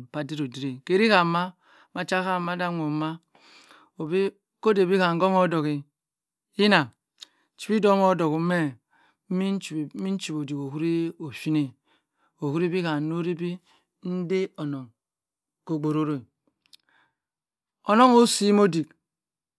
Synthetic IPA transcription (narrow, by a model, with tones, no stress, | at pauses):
m̩˨pa˦di˦ɾo˨di˦ɾe˨ke˨ɾi˦ka˨mːa˦ | ma˨t͡ʃa˦ka˦ma˦da˦ŋʷo˨ma˦ | o˨bi˦ | ko˦de˨bi˦ka˨ŋ̩˦ɡo˦ŋo˦do˨ki˨ | i˦na˨ | t͡ʃi̥˨pi˦do˦mo˦do˨ku˨˦me˦ | i˦n̩˦˨˦mi˦n̩˦t͡ʃi˨bo˨di˨ko˨hu˦ɾi˦o˨fi˦ne˨ | o˨hu˦ɾi˦bi˦ka˨˦no˦ɾi˦bi˦ | n̩˦de˦o˨no˨ŋ | ko˨ɡ͡bo˨ɾo˦ɾo˦˨ | o˨no˦ŋo˦si˦mo˦di˨k